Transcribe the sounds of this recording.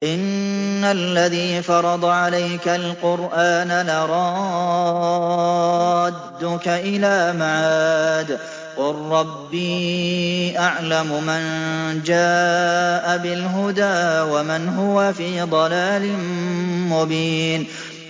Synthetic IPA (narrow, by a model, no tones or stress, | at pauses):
ʔɪnːalːaðiːfɑɾˤɑd̪ˤɑʕalajkalqʊɾʔaːnalaɾˤɑ | d̪ːʊkaʔɪlaːmaʕaːd̪ | qʊlɾɑbːiː | ʔaʕlamʊmand͡ʒaːʔabɪlɦʊd̪aːwamanɦʊwafiːd̪ˤɑlaːlɪnmʊbiːn